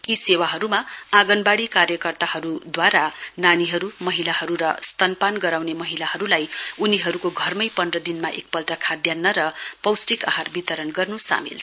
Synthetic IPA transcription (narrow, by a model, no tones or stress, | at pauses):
kisewaɦʌɾumaaɡʌnbaɽikarjʌkʌrt̪aɦʌɾud̪waɾananiɦʌɾumʌɦilaɦʌɾuɾʌst̪ʌnpanɡʌɾawnemʌɦilaɦʌɾulajuniɦʌɾukoɡʱʌrmʌjpʌnrʌd̪inmaʔḛk̚pʌlʈakʰad̪janːʌɾʌpʌwsʈika̰ɦarbit̪ʌɾʌnɡʌrnusa̰mḭlʰ